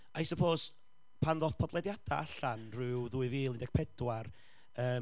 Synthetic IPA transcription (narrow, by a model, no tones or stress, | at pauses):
ʔajsəpʰoːs | pʰanðoθpʰɔdlˠɛdjad̥a̰aɬanrɨwðʊɨviːlˠɪndɛɡ̚pʰɛdwar | əː